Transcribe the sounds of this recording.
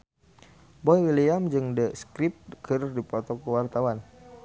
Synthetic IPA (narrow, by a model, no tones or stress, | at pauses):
bɔjwiliamd͡ʒɨŋdəskɾip̚kʰɨrdipɔt̪ɔkəwart̪awan